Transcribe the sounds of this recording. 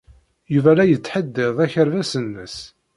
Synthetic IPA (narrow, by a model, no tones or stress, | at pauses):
juvælæjət͡sːħəd̪ːɪðˤæçəɾvæsənːəs